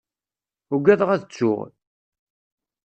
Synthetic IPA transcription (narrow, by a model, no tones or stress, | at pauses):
ʊɡæðʁæðət͡sːʊ̰ʁ